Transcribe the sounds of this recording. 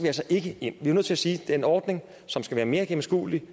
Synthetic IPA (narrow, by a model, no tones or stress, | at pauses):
ʋeːɐsɑɪʔe̝ɡ̥əe̝n̰ʋiɐnøð̰ˠt͡sʰlæsiːd̥enɒːd̥ne̝ŋ | sɒ̽msɡ̥æʋæːɐme̝ːɐɡ̥emn̩sɡ̥ṵːli